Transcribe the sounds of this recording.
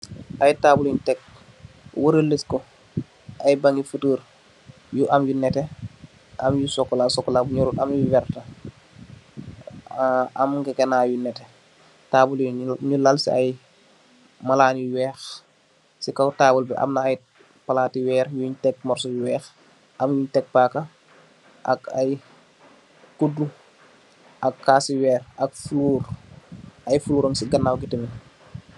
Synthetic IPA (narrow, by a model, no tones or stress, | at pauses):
ʔɐjtaːbuliɲtɛk̚ | wəɾəliskɔ | ʔɐjbaŋɡifutəːɾ | juʔɐmjunɛtɛ | ʔɐmjusɔkːɔlasɔkːɔlabɲuɾuʔɐmjuwɛrtɐ | amkɛkɛnaːjunɛtɛ | taːbuliɲulalsiaj | mɐlaːniwɛːx | sikɐwtaːbulbɛʔɐ̰mnɐɐj | pɐlaːtiwɛːɾjuɲtɛk̚mɔrsɔjuwɛːx | ʔɐmjuːɲtɛk̚pakːɐ | ʔɐ̰kɐj | kudːu | ʔɐkːaːsiwɛːrʔɐk̚fuluːr | ʔɐjfuluːɾɐŋsiɡɐnːawɡitəmi